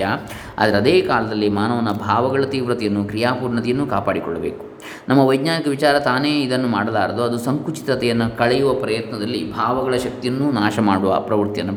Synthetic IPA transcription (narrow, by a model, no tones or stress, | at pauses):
ɐ | a̰d̪ɐɾɐd̪eːkaːlɐd̪ɐlːimaːnɐʋɐnːɐbʱaːʋɐɡɐɭɐt̪iːʋɾɐt̪ɛjɐnːukɾijaːpuːɾɳɐt̪ijɐnːukaːpaːɽikɔ̰ɭːɐbe̞̰ːku̥ | nɐmːɐʋɐjɡɲaːnikɐʋit͡ʃaːɾɐt̪aːneːid̪ɐnːumaːɽɐlaːɾɐd̪uɐd̪usɐŋkut͡ʃi̥t̪ɾɐt̪ɛjɐnːukɐɭɛjuʋɐpɾɐjɐt̪nɐd̪ɐlːibʱaːʋɐɡɐɭɐʃɐk̚t̪ijɐnːuːnaːʃɐmaːɽuʋɐ̰ːpɾɐʋɐɾt̪ijɐnːu